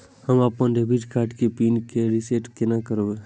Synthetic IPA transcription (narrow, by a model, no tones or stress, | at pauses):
həmapənɖebʱiʈkaːʈkepiːnkeɾiseʈkenakəɾoe